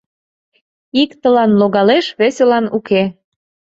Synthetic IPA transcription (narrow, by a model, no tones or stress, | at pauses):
ikt̪əlɑnloɣɑleʃβesʲelɑnuke